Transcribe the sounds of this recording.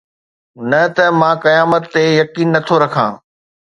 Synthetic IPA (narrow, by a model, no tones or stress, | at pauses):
nɐt̪ɐmãːkɐjaːmət̪ːejɐkiːnːɐt̪ʰoɾɐkʰã̰ː